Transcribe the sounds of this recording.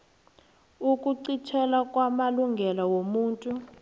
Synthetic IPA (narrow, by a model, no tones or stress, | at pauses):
ukʼuǀitʰɛlakʼwamaluŋɡʱɛlawomuːntʼu